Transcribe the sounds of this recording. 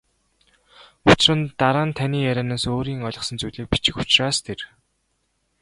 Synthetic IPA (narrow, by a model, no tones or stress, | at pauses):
ʊt͡ɕɪ̆rɘ̆nt̪aɾaːnt̪ʰaniːjæɾʲaːnaːsoːɾiːŋɔɮʲɞ̆χsə̆nt͡sujɮiːk̚pi̥t͡ɕɪ̆xut͡ɕraːst̪ʰer